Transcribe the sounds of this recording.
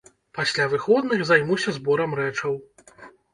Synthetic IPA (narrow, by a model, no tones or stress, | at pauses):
pasʲlʲavɨxɔd̪̚nɨɣzajmusʲɐzbɔɾɐmɾɛt͡ʂɐw